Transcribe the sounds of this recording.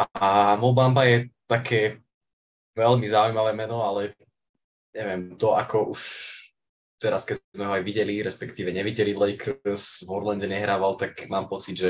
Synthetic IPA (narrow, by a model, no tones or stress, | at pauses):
ʔamɔbambajɛt̪akʰɛː | ʋɛlmizaujmaʋɛːmɛnɔalɛ | ɲɛʋɪɛmt̪ɔakʰɔʔuʃ | t̪ɛɾaskɛzmɛɦɔajʋiɟɛliɾɛspɛkt̪iːʋɛɲɛʋiɟɛliʋlɛɪksvɔɾlɛnɟɛɲɛɦɾaːʋalt̪akmaːmpɔt͡sid̪ʒɛ